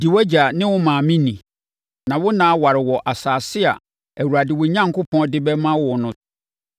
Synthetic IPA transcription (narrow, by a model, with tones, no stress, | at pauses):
di˨wɛ˦d͡ʑa˨nɪ̃˦wʊ˦mãː˨mĩ˦nĩ˨ | nã˨wʊ˦nãː˨˦wa˨ɾɪ˨wɔ˨ʔa˨saː˨sɪ˦a̰˨ | æ˨wu˨ɾa˨dɪ˨wʊ˨ɲã˦ŋ˨kʰʊ˦pʰɔ̃˦dɪ˦bɛ˦mã˦wʊ˨nʊ̃˨